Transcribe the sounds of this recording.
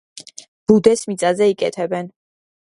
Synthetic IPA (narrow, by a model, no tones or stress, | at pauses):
b̥ud̪ɛsmit̪sʼazɛikʼɛ̰t̪ʰɛbɛn